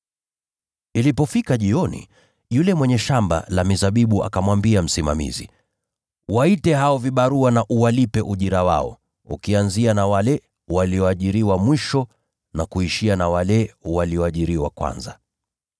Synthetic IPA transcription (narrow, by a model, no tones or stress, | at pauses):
ilipɔfikaʄiɔnḭ | julɛmwɛɲɛʃamba̰lamizaɓiɓuʔa̰kamwambiam̩sima̰mḭzḭ | waitɛɦaɔviɓaɾuanaʔuwalipɛʔuʄiɾawa̰ɔ̰ | ṵkianzianawalɛ | waliɔaʄiɾiwamwiʃɔ | nakuiʃianawalɛwaliɔaʄiɾiwakwa̰nza